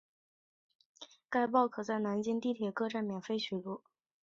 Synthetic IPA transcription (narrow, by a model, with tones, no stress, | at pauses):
ka˥˧ɪpɑ˥˩ʊkʰɤ˨˩t͡sa˥˩ɪna˧˥nt͡ɕi˥nt̪i˥˩t̪ʰjɛ˨˩kɤ˥˧ʈ͡ʂa˥˩nmjɛ˨˩nfe˥ɪɕʰy˨˩lu˥˩